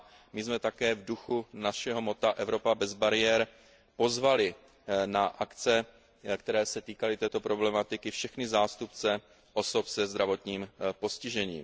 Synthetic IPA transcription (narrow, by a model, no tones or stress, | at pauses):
mɪzmɛt̪akɛːvduxunaʃɛɦo̞mo̞t̪aʔɛvɾo̞pabɛzbaɾɪjɛɾ | po̞zvalɪ | naʔakt͡sɛ | kt̪ɛɾɛːsɛt̪iːkalɪt̪ɛːt̪o̞pɾo̞blɛmat̪ɪkɪfʃɛxnɪzaːst̪upt͡sɛ | ʔo̞so̞psɛzd̪ɾavo̞t̪ɲiːmpo̞scɪʒɛɲḭːm